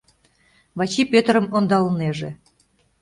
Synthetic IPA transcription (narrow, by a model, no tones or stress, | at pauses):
βɑt͡ɕipʲøt̪ɾə̆mond̪ɑləneʒe